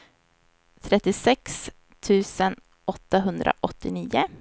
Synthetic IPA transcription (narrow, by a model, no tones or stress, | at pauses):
t̪ʰɾɛt̪ːɪsɛks | t̪ʰʉ̟ːsən | ɔt̪ːaɦɵnd̪ɾʔa̰ʔɔt̪ːɪniːʊ